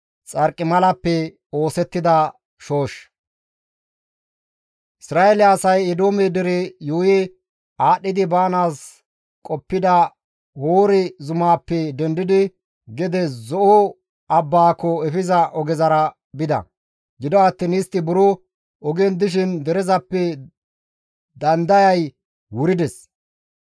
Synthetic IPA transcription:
t͡sʼɐɾkʼːɪmɐlɐpːɛ | o̞ːsɛt̪ːɪd̪ɐ | ʃo̞ːʃ | ʔɪsɾaːelɪjaːsɐjɛd̪oːmɛd̪ɛɾɛjuːjɛ | aːɗːɪd̪ɪbaːnaːs | kʼɔpːɪd̪ɐ | hoːɾɪzʊmaːpːɛd̪ɛnd̪ɪd̪ɪ | ɡɛd̪ɛzɔʔo | ɐbːaːkːɔɛfɪzɐʔɔɡɛzɐɾɐ | bɪd̪ɐ̰ | ɡɪd̪ɔɐt̪ːɪnɪst̪ːɪbʊɾɔ | ɔɡɛnd̪ɪʃ̬ɪnd̪ɛɾɛzɐpːɛ | d̪ɐnd̪ɐjɐj | wʊɾɪd̪ɛs

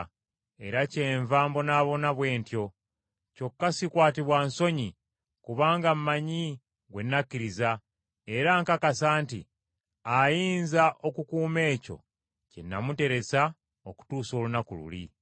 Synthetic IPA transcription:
e̞ɾace̞ːɱvaːmbo̞naːβo̞naβwe̞ːntjo̞ | co̞kːasikwaːtiβwanso̞ɲi | kuβaːŋɡammaɲi | ɡwe̞nːakːiɾiza | e̞ɾaŋkakasaːnti | ajiːnzaʔo̞kukuːme̞ːco̞̰ | cenːa̰mute̞ɾe̞sa | o̞ku̥tuːso̞ːlunakulṵlḭ

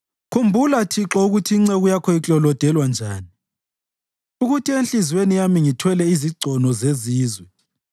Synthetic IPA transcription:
kʰumbʱulatʰiǁɔuɣutʰiːŋ͡ǀeɣujakʰɔit͡ɬʼɔlɔd̥ʱɛlwand͡ʒʱaːni | uɣutʰienɬizwenijamiŋitʰwɛlɛiziǀʱɔnɔzeziːzwɛ

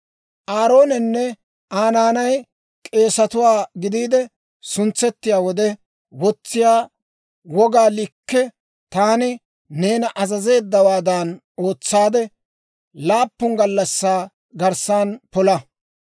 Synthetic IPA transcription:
ʔaːɾo̞ːnɛnːɛ | aːnaːnɐj | kʼe̞ːsɐt̪ʊwaːɡɪd̪iːd̪ɛ | sʊnt͡sːɛt̪ːɪjaːwɔd̪ɛ | wɔt͡sːɪjaː | wɔɡaːlɪkːɛ | t̪aːnɪ | ne̞ːnɐʔɐzɐze̞ːd̪ːɐwaːd̪an | o̞ːt͡sːaːd̪ɛ | laːpːʊŋɡɐlːɐsːaː | ɡɐɾsaːnpɔlɐ

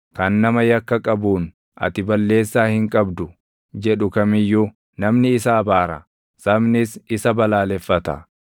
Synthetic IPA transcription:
kɐnːɐmɐjɐkːɐkʼɐbuːn | ʔɐ̰t̪ɪbɐlːe̞ːsːaːhɪŋkʼɐbd̪ʊ | d͡ʒɛᶑʊkɐmɪjːu | nɐmnɪːsɐːbaːɾɐ | sɐmnɪsɪsɐbɐlaːlɛfːɐt̪ɐ̰

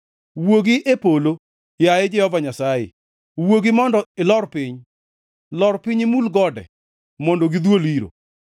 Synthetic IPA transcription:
woɡiʔepolo | jaɛd͡ʒɛhɔvaɲasajḛ | woɡimɔndɔɪlɔrpiɲ | lɔɾpɪɲɪmulɡɔdɛ̰ | mondoɡid̪woliɾo̰

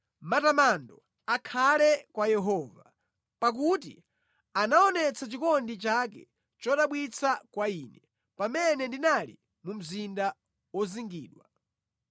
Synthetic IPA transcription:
matamandɔ | akʰalɛkwajɛɦɔːva | pak̬utḭ | anaɔnɛt͡sʰat͡ʃikɔndit͡ʃak̬ɛ̰ | t͡ʃɔɗaɓwit͡sʰakwaiːnɛ | pamɛnɛndinalḭ | mum̩zinda | wɔziŋɡiːɗwa

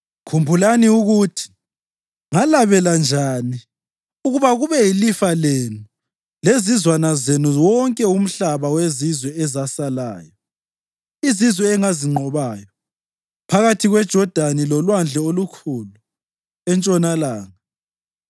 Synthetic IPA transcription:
kʰumbʱulaniuɣutʰi̥ | ŋalaβɛland͡ʒʱani | uɣuβaɣuβɛjilifalenu | lezizwanazenuwɔŋkʼɛum̩ɬaβawezizwɛɛzasala̰ːjɔ | izizwɛːŋaziŋ͡ǃʱɔβaːjɔ | pʰaɣatʰiɣwɛd̥ʒ̥ʱɔd̥ʱanilɔlwand͡ɮʱɛolukʰulu | ɛnt͡ʃʼɔnalaːŋa

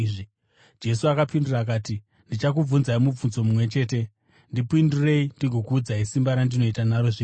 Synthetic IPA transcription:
ʐi | d͡ʒe̞suakapinduraːk̬aːti | ndit͡ʃak̬ub͡vunzaimub͡vunzo̞mumwe̞t͡ʃe̞ːte̞ | ndipindire̞indiɡʱo̞kuːd͡zaisimbaɾandino̞itanaɾo̞ʐiː

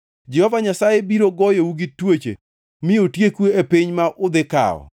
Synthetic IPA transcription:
d͡ʒɛhɔvaɲasajebiɾoɡɔjouɡitwet͡ʃḛ | mɪotjekwuepiɲmaʔʊd̪ɪka̰ɔ̰

